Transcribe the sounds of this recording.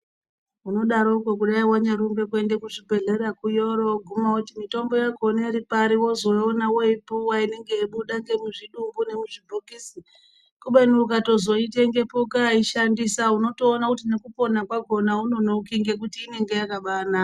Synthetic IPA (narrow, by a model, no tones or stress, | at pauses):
uno̞ɗaɾo̞kokuɗaiwaɲaɾumbe̞k̬ue̞ndekuʐibʱe̞ɮe̞ɾakujo̞ɾo̞ɡʱumakutimito̞mbo̞jaɡʱoneɾipaɾiwo̞zo̞onawo̞ipuwaine̞ŋɡe̞iɓuɗaŋɡe̞muʐiɗumbune̞muʐibʱokisi | kuɓenurukato̞zo̞iteŋɡe̞pukaiʃandisauno̞to̞ːnakut̬ine̞kupo̞nakwaɡʱo̞nauno̞no̞kiŋɡe̞k̬utiːne̞ŋɡe̞jakaɓaːna